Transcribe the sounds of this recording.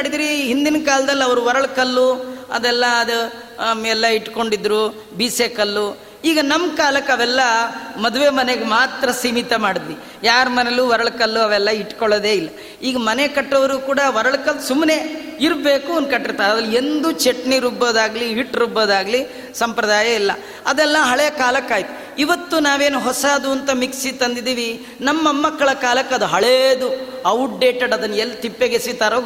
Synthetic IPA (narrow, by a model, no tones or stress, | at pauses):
aɽid̪ɾiɦind̪inɐkaːlɐd̪ɐlːiɐʋɐɾuʋɔɾɐɭkɐlːuɐ̰d̪ɛlːɐːd̪ɐ | mɛlːɐiʈːko̞ɳɖid̪ːɾu | biːsekɐlːu | iːɡɐnɐmkaːlɐkːɐʋɛlːɐmɐd̪uʋe̞ːmɐneɡemaːt̪ɾɐsiːmit̪ɐmaːɽid̪ʋi | jaːɾmɐneluʋɔɾɐɭkɐlːuɐʋɛlːɐiʈːkɔɭɐd̪e̞ːilːɐ | iːɡɐmɐnekɐʈːɐʋɐɾuɡukuːɽɐʋɔɾɐɭkɐlsumːne̞iɾbe̞ːkuond̪̚kɐʈːiɾt̪aːɾɐd̪ɐlend̪ut͡ʃeʈniɾuboːd̪aːɡliɦiʈːɾuboːd̪aːɡli | sɐmpɾɐd̪aːjɐilːɐ̰ | ɐd̪ɛlːɐɦɐɭɛjɐkaːlɐkːaːjit̪u̥ | iʋɐt̪ːunaːʋe̞ːnuɦɔsaːd̪uɐnt̪ɐmiksit̪ɐnd̪id̪iːʋi | nɐmːɐmːɐkːɐɭɐkaːlɐkːɐd̪uɦɐɭeːd̪uɐwʈ̚ɖe̞ːʈeɖɐd̪ɐnːɐelːt̪ipːeɡesit̪aːɾoː